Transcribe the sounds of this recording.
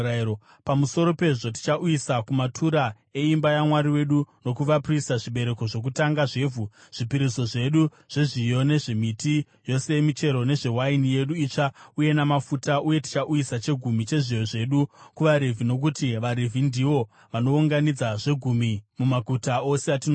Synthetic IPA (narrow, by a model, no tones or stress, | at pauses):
pamuso̞ɾo̞pe̞ʐo̞t̬i̥t͡ʃaʔuisakumatʰuɾa | e̞imbajamwaɾiwe̞ɗuno̞kuʋapristaʐiɓe̞ɾe̞ko̞ʐo̞k̬utaŋɡaʐe̞ːvuʐ̥ipiɾiso̞ʐe̞ɗu | ʐ̥e̞ʐijo̞ne̞ʐe̞miti | jo̞se̞mit͡ʃe̞ɾo̞ne̞ʐe̞wainije̞ɗuiːt͡ʂauje̞namafutaʔuje̞ti̥t͡ʃaʔuisat͡ʃe̞ɡʱumit͡ʃe̞ʐijo̞ʐe̞ɗukuʋaɾe̞vʱino̞k̬utiʋaɾevʱindiʋo̞ | ʋano̞uŋɡanid͡zaʐe̞ɡʱumimumaɡʱutaoseatino